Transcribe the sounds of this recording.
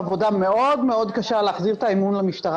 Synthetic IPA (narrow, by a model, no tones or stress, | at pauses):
vo̞dame̞o̞d̪meo̞d̪kaʃaleːχziʁt̪aimunlamiʃt̪aʁ